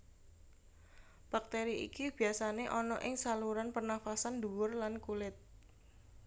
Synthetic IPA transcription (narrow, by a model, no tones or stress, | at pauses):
b̥ak̚t̪eɾiʔḭkib̥i̤asaneʔɔnɔ̰ʔɪŋsaluɾanpərnafasand̪uwʊrlankulɪt̪̚